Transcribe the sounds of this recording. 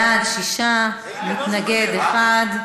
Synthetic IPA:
adʃiʃa | nit̪naɡed̪eχad̪

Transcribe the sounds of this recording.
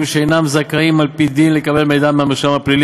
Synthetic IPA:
mʃeejnamzakaimːalpid̪inlekabe̞lmejd̪ameameʁʃamaplili

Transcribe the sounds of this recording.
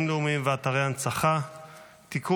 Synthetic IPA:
mleumimveat̪aʁejant͡saχa | t̪iku

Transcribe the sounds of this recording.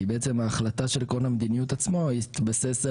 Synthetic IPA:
beet͡semaːχlat̪aʃe̞lkolhamed̪inijut̪at͡smo̞it̪base̞s

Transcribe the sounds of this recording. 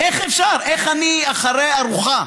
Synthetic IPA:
ʔeχefʃaɾeχaniaχaɾeaɾuχa

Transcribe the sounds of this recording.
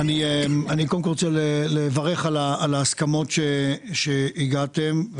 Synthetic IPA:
aniemanikomkolʁot͡selelevɐʁe̞χalaalaːskamo̞tʃeʃeiɡat̪e̞m

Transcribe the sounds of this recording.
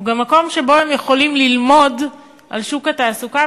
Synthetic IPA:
ɡamːako̞mʃe̞bo̞emjeχo̞limlilmo̞d | ʔalʃukat̪aːsuka

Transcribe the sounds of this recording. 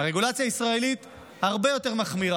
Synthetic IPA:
aʁeɡulat͡sjaisʁae̞lit̪ | haʁbe̞jo̞t̪e̞ʁmaχmiʁa

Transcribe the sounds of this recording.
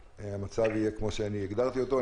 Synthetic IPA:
amat͡savijekmo̞ʃeaniɛɡd̪aʁt̪io̞t̪o̞

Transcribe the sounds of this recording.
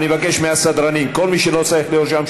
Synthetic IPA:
nivakeʃmeasad̪ɾanimko̞lmiʃelot͡saiχlijot̪ʃamʃ

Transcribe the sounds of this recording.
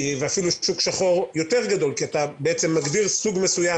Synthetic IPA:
veafiluʃukʃaχo̞ʁjo̞t̪e̞ʁɡad̪o̞lkiat̪abeet͡se̞mːaɡdiʁsuɡmesuja

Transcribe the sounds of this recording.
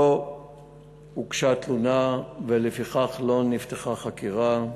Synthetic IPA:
o | ukʃat̪lunavelefiχaχlo̞nift̪eχaχakiʁa

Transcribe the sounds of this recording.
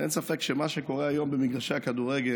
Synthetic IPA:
ḛnsafɛkʃemaʃekɔʁɛajombemiɡdaʃeakaduʁɛɡe

